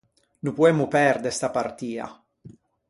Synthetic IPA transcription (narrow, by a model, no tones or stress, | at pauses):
nupuɛmːupɛɾd̪est̪apart̪iːa̰